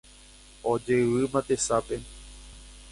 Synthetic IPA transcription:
od͡ʒeɨʋɨmãt̪e̞sape̞

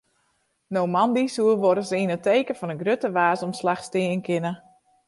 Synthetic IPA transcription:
nowmɑndisuəʋoɾəsinəteːkəfɔnəɡrøtəʋaːsomslaxstɪəənkɪnə

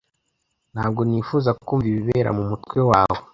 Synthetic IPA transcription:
n̥haːb̚ɡo̞nifuːzakukuːɱviβiβeːɾa̰mumutkwe̞waːwo

